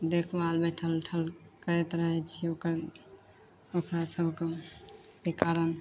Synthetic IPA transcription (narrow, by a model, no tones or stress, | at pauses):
d̪ekʰbalbeʈʰəlʈʰəlkəɾet̪ɾəɦɛt͡ʃʰiokəɾ | okɾasəbʱke | kekaɾən